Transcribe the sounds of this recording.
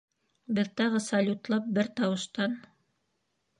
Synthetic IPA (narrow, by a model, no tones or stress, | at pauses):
bɘðt̪ɑʁɤsɑlʲut̪lˠɑp̚bɘɾt̪ɑwɤ̆ʃt̪ɑn